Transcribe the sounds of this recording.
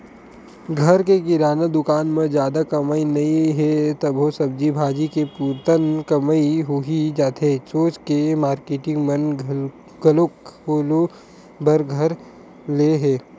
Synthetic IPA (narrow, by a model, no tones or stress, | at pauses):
ɡʱɐɾkekɪɾaːnad̪ʊkaːnmẽd͡ʒjaːd̪akɐmainɐĩɦɛt̪ɐbɦosɐb̚d͡ʒibʱaːd͡ʒikepuːɾt̪ənkɐmaiɦʊɦid͡ʒaːt̪esoːt͡ʃkemaːɾkeːʈɪ̃ŋɡmɐ̃n | ɡɐlokolo | bʱɐɾɡʱɐɾ | leɦɛː